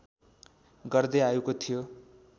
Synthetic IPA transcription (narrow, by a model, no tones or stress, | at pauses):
ɡʌrd̪eaukot̪ʰijo